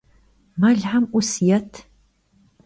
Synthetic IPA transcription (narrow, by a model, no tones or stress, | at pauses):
maɮħamʔʷʊsjɐtʰ